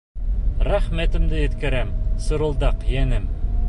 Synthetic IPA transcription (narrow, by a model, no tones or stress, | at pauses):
ɾæχmæt̪ɘ̆md̪ɘjɘ̆t̪kæ̆ɾæmsŏɾɤ̆lˠd̪ɑqjænɘm